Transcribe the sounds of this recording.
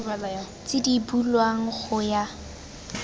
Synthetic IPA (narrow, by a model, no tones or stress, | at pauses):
t͡sɪdibulwaŋ̩χʊja